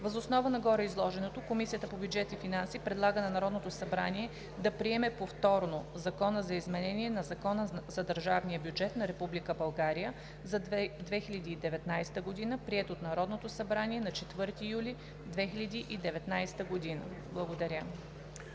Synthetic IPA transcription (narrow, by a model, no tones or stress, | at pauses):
vəzosnɔvənɐɡɔɾəizlˠɔʒɛnot̪okomisijət̪əpobʲjud͡ʒɛt̪ifinansipɾɛd̪lˠaɡənɐnɐɾɔd̪not̪osɐbɾa̰niɛ | d̪ɐpɾiɛmɛpoft̪ɔɾnozɐkɔnəzɐizmɛnɛniɛnɐzɐkɔnəzɐd̪əɾʒavnijəbjud͡ʒɛt̪nɐɾɛpublikəbɐlˠɡaɾijə | zɐd̪vɛxiʎʲɐd̪iːd̪ɛvɛt̪najst̪əɡod̪inəpɾiɛt̪ot̪nɐɾɔd̪not̪osɐbɾaniɛnɐt͡ʃɛt̪vɤɾt̪ijulʲi | d̪vɛxilʲɐd̪iʔid̪ɛvɛt̪najst̪əɡod̪inə̰ | blˠɐɡod̪ɐɾʲə